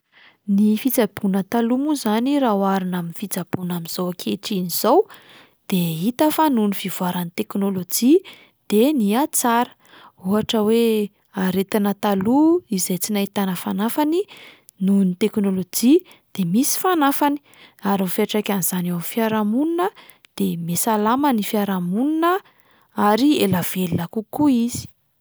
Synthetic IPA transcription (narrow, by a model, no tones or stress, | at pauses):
nifit͡sab̥unət̪alumuzaniɾaɦwaɾinaminifit͡sab̥unaminz̥owakʰeʈ͡ʂiniz̥ow | d̪̥eit̪əfanunivivuaɾanit̪eknolod͡ʒi | d̪̥eniat͡saɾə̥ | uaʈ͡ʂəwe | aɾet̪anət̪aluizajt͡sinait̪anəfanafani | nunit̪eknolod͡ʒi | d̪̥emisi̥fanafani̥ | aɾumfeʈ͡ʂakʲaniz̥anewamfiaɾamuninə | d̪̥emesalamənifiaɾamuninə | aɾielav̥elinakukuiz̥i̥